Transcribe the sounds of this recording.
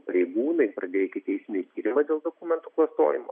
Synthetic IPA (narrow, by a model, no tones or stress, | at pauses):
pɐɾʲɛɪɡuːnɐɪpɾɐd̪ʲeːkʲɪt̪ʲɛɪsʲɪnʲɛɪt̪ʲiːɾʲɪmɐd̪ʲeːlˠd̪oːkʊmʲɛnt̪uklˠɐst̪o̰ːjɪmo̰ː